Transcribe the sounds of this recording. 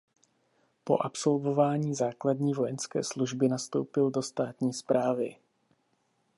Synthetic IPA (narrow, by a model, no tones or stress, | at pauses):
po̞̰ʔapso̞lvo̞vaːɲiːzaːkladɲiːvo̞jɛnskɛ̰ːsluʒbɪnast̪o̞̰wpɪldo̞st̪aːt̪ɲiːspɾʔaːvɪ